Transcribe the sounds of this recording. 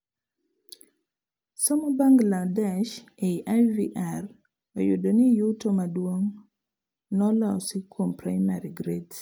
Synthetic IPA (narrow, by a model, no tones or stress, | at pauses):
somɔbaŋɡladɛʃeiʔaviʔar | ojʊdonijutomadwoŋ | nɔlɔsikʰompɾajmaɾiɡɾet